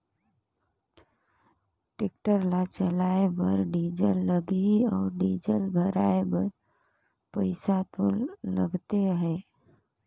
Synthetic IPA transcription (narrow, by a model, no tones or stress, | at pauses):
ʈek̚ʈəɾlat͡ʃəlaːebəɾɖiːd͡ʒəlːəɡiɔːɾɖiːd͡ʒəlbʱəɾaːebəɾ | pəɪsat̪olːə̰ɡt̪eɦɛ̃ː